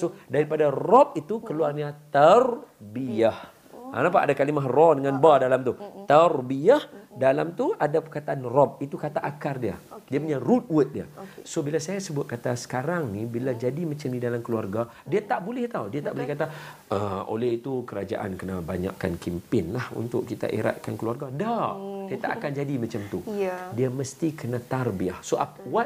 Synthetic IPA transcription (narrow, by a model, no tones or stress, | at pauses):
sodaɾipadarɔp̚it̪ukəluarɲat̪arbiah | a̰nap̬aa̰dakalimaɦrɔdəŋanbadalamt̪ut̪arbiahdalamt̪uʔadapəkat̪aʔanrɔp̚it̪ukat̪aʔakardiadiapuɲarut̪̚wʊt̪̚dia̰sobilasajasəbʊt̪̚kat̪asə̥kaɾaŋnibilad͡ʒadimat͡ʃamdidalamkəluarɡa | diat̪aʔbolɛht̪awdiat̪aʔbolɛhkat̪a | əo̰lɛhit̪ukəɾad͡ʒa̰ʔa̰nkənabaɲa̰ʔkːankimpɪnlahṵnt̪ʊʔkit̪a̰ʔḛɾa̰ʔ̪̚kankəluarɡadadiat̪a̰ʔakand͡ʒadimat͡ʃamt̪udiaməst̪ikənat̪arbiahsoʔapwat̪